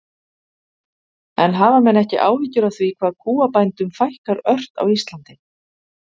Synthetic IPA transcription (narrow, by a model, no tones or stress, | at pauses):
ɛnɦaːvamɛnɛhcɪʔa̰ːwhɪcːʏɾaθvikʰvaːðkʰuːapajnt̪ʏmfajhkaɾœr̥t̪a̰wist̪lant̪ɪ